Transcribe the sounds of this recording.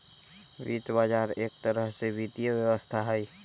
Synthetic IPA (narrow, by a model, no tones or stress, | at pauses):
bḭt̪bad͡ʒaɾek̚t̪əɾəɦsebit̪ijəbjəwəst̪ʰaɦəj